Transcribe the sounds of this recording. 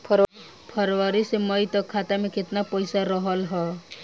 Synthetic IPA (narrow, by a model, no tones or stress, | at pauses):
pʰʌɾ | pʰʌɾʋaɾisemʌjt̪ɔkʰːat̪ameket̪napɔjsaɾɔɦɔlɦɔ